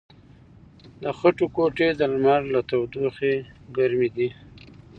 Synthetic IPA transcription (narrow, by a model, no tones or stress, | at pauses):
d̪əxaʈokoʈed̪əlmaɾlat̪awd̪uxeɡaɾmid̪i